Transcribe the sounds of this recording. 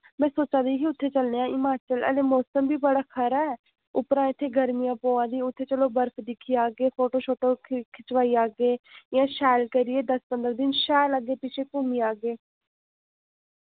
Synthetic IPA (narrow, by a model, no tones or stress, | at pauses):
mɛ̃ːsoːt͡ʃãːd̪iːɦiːʊt̪ʰːeːt͡ʃəlneːãːʔɪmaːt͡ʃələ̰leːmɔːsəmbiːbəɽaːkʰəɾaɛː | ʊpɾãːɪt̪ʰːeːɡəɾmijãːpõːãːd̪iːʊt̪ʰːeːt͡ʃəloːbəɾpʰd̪ɪkʰːiːaːɡeːpʰoːʈoːʃʰoːʈoːkʰɪt͡ʃʋaːiːaːɡeːjãːʃɛːlkəɾɪeːd̪əspənd̪əɾd̪ɪnʃɛːləɡeːpɪt͡ʃʰeːkumiːaːɡeː